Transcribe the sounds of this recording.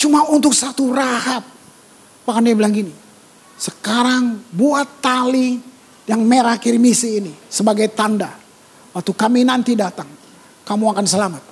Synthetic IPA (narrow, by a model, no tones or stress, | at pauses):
t͡ʃumaunt̪ʊk̚sat̪urahap̚ː | akandiablaŋɡini | səkaɾaŋbuat̪ːali | jaŋmeɾakirmisiːnisəbaɡajt̪anda | wak̚t̪ukaminant̪idat̪aŋ | kamuakansəlamat̪̚